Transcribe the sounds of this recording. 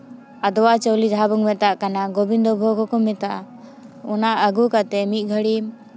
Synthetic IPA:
ad̪ɔwat͡ʃɔwlid͡ʒaɦabɔŋmɛt̪aʔkanaɡobind̪ɔbʱɔɡɔkɔmɛt̪aʔa | ɔnaʔəɡukat̪ɛmit̪̚ˀɡʱəɽim

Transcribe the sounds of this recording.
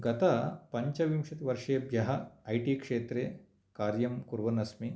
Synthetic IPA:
ɡɐt̪ɐpɐɲt͡ʃɐʋimʂɐt̪iʋɐɾʂeːbʱjɐɦɐːjʈiːkʂeːt̪ɾeː | kaːɾjɐmkuɾʋɐnɐsmi

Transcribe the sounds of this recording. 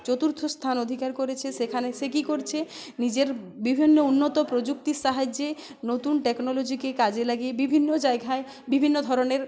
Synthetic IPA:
t͡ɕot̪uɾt̪ʰost̪ʰanod̪ʱikaɾkoɾet͡ɕʰesekʰanesek̬ikoɾt͡ɕʰenid͡ʑeɾbibʱinːounːot̪opɾod͡ʑuk̚t̪iʃaɦad͡ʑe | not̪unʈeknolod͡ʑikekad͡ʑelaɡiebibʱinːod͡ʑaeɡae | bibʱinːod̪ʱɔɾoneɾ

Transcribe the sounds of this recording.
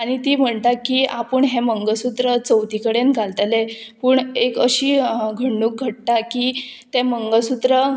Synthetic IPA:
aɽ̃it̪iːm̤əɳt̪akiapəɳɦẽməŋɡəsut̪ɾət͡səwt̪ikəɽenɡʱalt̪lepəɳekəɕiːɡʱəɳɖuːk̚ɡʱəʈ̚t̪akit̪ɛ̃məŋɡəsut̪ɾə

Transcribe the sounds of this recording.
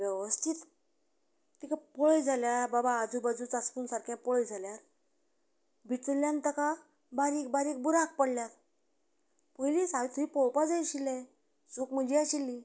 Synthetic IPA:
ʋjɛʋəst̪ʰit̪ | t̪ikapɔɭəjd͡zʱaljaɾbabaːd͡zubad͡zut͡sat͡skuːnsaɾkʰjãpɔɭəjd͡zʱaljaɾ | bʱit͡səljãnt̪əka | baɾiːk̚baɾiːk̚buɾak̚pəɽljaɾ | pəjlisaʋit̪uipɔwpad͡zajɕilɛ̃ | sukm̤əd͡ʑiaɕilːi

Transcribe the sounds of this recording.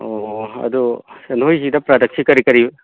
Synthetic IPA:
oɐ̰d̪usɐnojzidɐpɾadɐk̚sikɐɾikɐɾib

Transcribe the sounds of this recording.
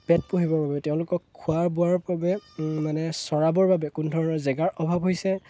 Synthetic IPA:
pɛt̚poɦibɔɹbabɛtɛʊ̃lʊkɔkkʰːuaɹbʊaɹbabɛmanɛsɔɹabɔɹbabɛkʊndʱɔɹɔnɔzɛɡaɹʔɔbʱabɦojsɛ

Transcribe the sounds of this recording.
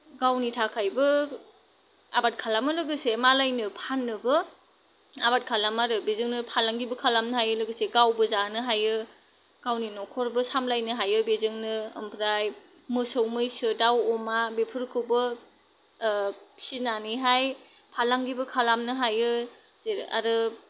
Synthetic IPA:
ɡawnitʰakʰajbɯ | abat̚kʰalamɯlɯɡɯsemalajnɯpʰanːɯbɯ | abat̚kʰalamaɾɯbezɯŋnɯpʰalaŋɡibɯkʰalamnɯɦajɯlɯɡɯseɡawbɯzanɯɦajɯ | ɡ̥awninɔkʰɔɾbɯsamlajnɯɦajɯbezɯŋnɯ̰mpʰɾaj | mɯsɯwmɯjsɯdawɔmabepʰɯɾkʰɯwbɯ | pʰsinanɯɦajpʰalaŋɡibɯkʰalamnɯɦajɯ | zeɾa̰ɾɯ

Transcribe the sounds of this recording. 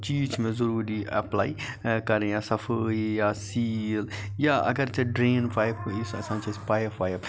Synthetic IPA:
t͡ʃiːd͡ʒmẽzɐɾuːɾiɐ̰plaːikɐɾẽjasɐfʰəjaːsiːl | jaːɐ̰ɡɐɾt͡ʃeɖɾeːnpaːjpisɐ̰sãːt͡ʃaspaːjəpaːjəp

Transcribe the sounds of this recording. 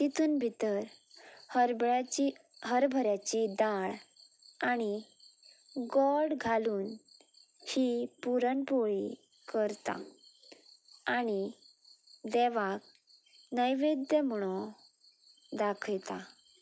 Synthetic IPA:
t̪it̪ʰuːnbʱit̪əɾhɾiɦəɾbʱəɾjat͡ɕid̪aɭ | añi | ɡɔɽɡʱaluːn | hipuɾənpoɭi | kəɾt̪a̰ | ɽ̃i | d̪ɛʋak̚ | nəjʋed̪jəmɽ̃ɔ | d̪akʰəjt̪a

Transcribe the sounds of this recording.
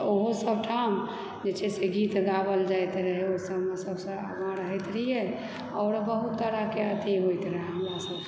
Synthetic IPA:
oɦosəb̚ʈʰam | d͡ʒet͡ʃɛseɡit̪d̪abəld͡ʒajt̪ɾəɦɛosə̃bɦmasəbsə̃a̰bãɾəɦɛt̪ɾəjɛ | ɔʊɾbəɦut̪ːəɽakeət̪iɦojt̪ɾəɦɛɦəmɾasəb

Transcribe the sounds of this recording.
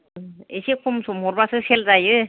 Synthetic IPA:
esekʰumsumuɾbasʰɯseld͡zajɯ

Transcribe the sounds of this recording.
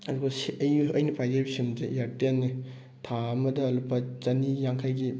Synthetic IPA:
ɐduɡɐsɐjɐjnɐpʰajzɐɾbisimzḛjaɾtenːi | tʰaɐmɐdɐːlupːɐt͡ʃɐnijaŋkʰajɡi

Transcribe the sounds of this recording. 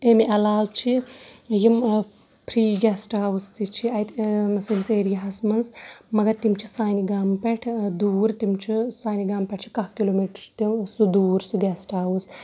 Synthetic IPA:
emiʔɐlaːwt͡ʃʰijim | pʰɾiːɡɛsʈaːwust̪it͡ʃʰiɐjt̪siliseːɾijaɦɐsmɐnzmɐɡɐɾt̪imt͡ʃʰisaːniɡaːmpɛʈʰd̪uːɾt̪imt͡ʃʰisaːniɡaːmpɛʈʰt͡ʃʰi̥kɐɦkiloːmiʈɾt̪isud̪uːɾsuɡɛsʈaːwus

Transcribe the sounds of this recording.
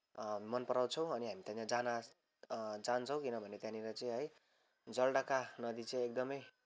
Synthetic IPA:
mʌnpʌɾaw̃t͡sʰʌw̃ʌniɦamit̪ãt͡sãd͡zana | d͡zant͡sʰʌ̃w̃kinʌbʱʌnet̪jãnilajt͡sʌĩɦʌj | d͡zʌlɽakanʌd̪it͡sʌĩek̚d̪ʌmʌj

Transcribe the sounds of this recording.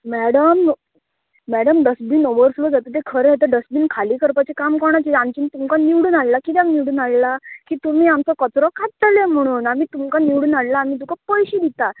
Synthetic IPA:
mæɽəmː | æɽəmɖəsbiːnoʋəɾslod͡zat̪ət̪̬ekʰəɾeɦet̪əɖəsbiːnkʰaliːkəɾpat͡ɕekamkɔɳat͡ɕeamt͡ɕiːnt̪umkaniʋɽuːnallakit̪jakniʋɽuːnallakiːt̪um̤iːamt͡sɔkət͡sɾɔkʰat̪əlem̤əɽ̃uːnamiːt̪umkaniwɽuːnallaːmiːd̪ukʰapəjɕid̪it̪a

